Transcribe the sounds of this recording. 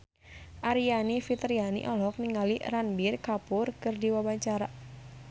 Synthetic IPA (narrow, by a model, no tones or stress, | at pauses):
ʔaɾianifit̪ɾianḭʔɔlɔk̚niŋaliranbirkapʊrkɨrdiwabaɲt͡ʃaɾa